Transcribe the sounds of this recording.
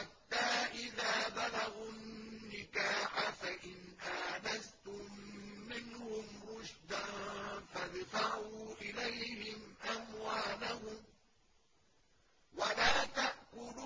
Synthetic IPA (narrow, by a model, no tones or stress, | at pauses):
ħat̪ːaːʔɪðaːbalaɣʊnnːɪkaːħafaʔɪnʔaːnast̪ʊmːɪnhʊmɾʊʃd̪anfaðfaʕuːʔɪlajhɪmʔamwaːlahʊm | walaːt̪aʔkʊl